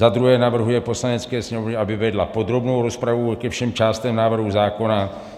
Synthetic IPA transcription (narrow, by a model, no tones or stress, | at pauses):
zad̪ɾuɦɛːnavr̩ɦujɛpo̞slaɲɛt͡skɛːsɲɛmovɲɛabɪvɛdlapo̞d̪ɾo̞bnowɾo̞spɾavukɛfʃɛmt͡ʃaːst̪ɛmnaːvr̩ɦuzaːko̞na